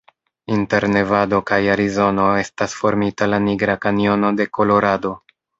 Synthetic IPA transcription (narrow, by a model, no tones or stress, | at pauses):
inte̞ɾne̞vado̞kajaɾizo̞no̞e̞stasfo̞ɾmitalaniɡɾakanio̞no̞de̞ko̞lo̞ɾado̞